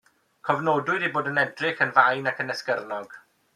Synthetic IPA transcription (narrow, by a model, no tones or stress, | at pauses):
kʰɔvnoːdʊɨɾiboːdənɛdrɪxənvajnakənɛskərnɔɡ̥